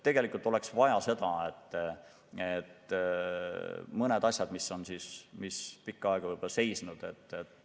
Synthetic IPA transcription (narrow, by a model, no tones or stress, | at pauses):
t̪e̞ɡ̥e̞likːˑult̪ːˑo̞le̞ksvɑjɑse̞d̪̥ɑet̪ː | et̪ː | mɤned̪̥ɑsʲjɑd̪miso̞nsismispikːɑɑeɡ̥ɑvɤjb̥olɑse̞jsnud̪̥e̞t̪ːet̪ːˑ